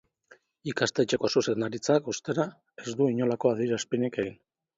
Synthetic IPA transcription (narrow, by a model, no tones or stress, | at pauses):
ikast̪et͡ʃe̞ko̞suse̞nd̪aɾit͡sakust̪e̞ɾa | e̞zd̪uiɲo̞lako̞aðiɾaspinike̞ɣin